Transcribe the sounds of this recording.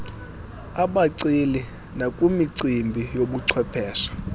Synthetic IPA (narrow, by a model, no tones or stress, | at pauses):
aɓaǀili | nakʼumiǀimbʱijoɓuǀʰwɛpʰɛːʃḁ